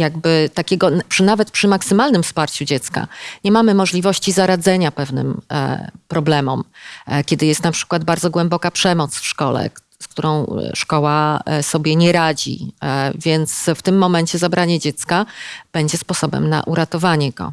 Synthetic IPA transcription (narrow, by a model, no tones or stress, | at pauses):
jaɡbɘt̪akʲɛɡɔpʂɘnavɛt̪̚pʂɘmaksɘmalnɘmfspaɾt͡ɕud͡ʑɛt̪ska̰ɲɛmamɘmɔʐlʲivɔɕt͡ɕizaɾad̪zɛɲapɛvnɘ̰m̰ | pɾɔblɛmɔmkʲjɛd̪ɘjɛst̪napʂɘ̥kwad̪̚baɾd̪zɔɡwɛmbɔkapʂɛmɔt̪sfʂkɔlɛ̰ | sk̚t̪uɾɔ̃w̃ʂkɔwasɔbʲjɛɲɛɾad͡ʑḭvʲjɛnt̪sft̪ɘmːɔmɛɲt͡ɕɛzabɾʔaɲɛd͡ʑɛt̪skab̥ɛɲd͡ʑɛspɔsɔbɛ̰mna̰ʔuɾat̪ɔvaɲɛɡɔ̰